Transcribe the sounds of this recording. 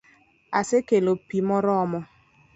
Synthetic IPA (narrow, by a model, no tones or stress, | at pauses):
asekelopimɔɾɔmɔ